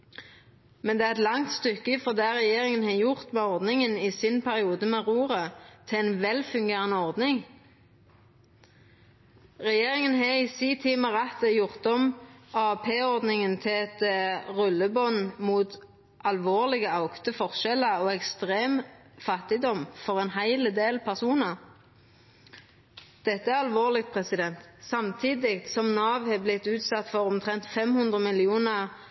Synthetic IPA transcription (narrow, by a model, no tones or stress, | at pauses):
mɛnd̪ɛːæʁɛt̪lɑŋt̪st̪ʏkːəfɔd̪eːʁɛjeːʁɪŋənheːjʊʁt̪mɛːɔʁd̪nɪŋənɪsɪnpʰæʁɪuːd̪əmeːʁuːʁət̪ʰɪɛnʋɛlfʉŋɡeːʁənəɔʁd̪nɪŋ | ʁɛjeːʁɪŋənɦeisiːt̪ʰɪːməʁɛt̪əjʊʁt̪̚ɔmɑpʰeːɔʁd̪nɪŋənt̪ʰɛɛt̪ʁʉlːəbɔnmuːt̪ | ʔɑlʋoːʁlɪɡəɑʊkt̪əfɔʁʃɛləɔɛkst̪ʁeːm | fɑt̪ɪd̪ɔmfɔʁɛnɦæɪləd̪eːlpʰæʁsuːnəʁ | d̪̥ɛt̪ːəæʁɑlʋoːʁlɪk̚t̪̚pʰʁɛsɪd̪ɛnt̪sɑmt̪ʰiːd̪ɪkt̪sɔmnɑːʋhɛblɪt̪ːʉːt̪sɑt̪ːfɔʁɔmt̪ʰʁɛnt̪fɛmhʉnd̪ʁəmɪlɪuːnəʁ